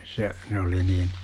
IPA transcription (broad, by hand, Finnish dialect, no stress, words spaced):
se ne oli niːn